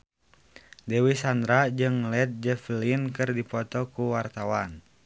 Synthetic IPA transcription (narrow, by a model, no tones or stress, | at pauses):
dɛwisand̪ɾad͡ʒɨŋlɛt̪̚d͡ʒɛflinkɨrdipɔt̪ɔkuwart̪awan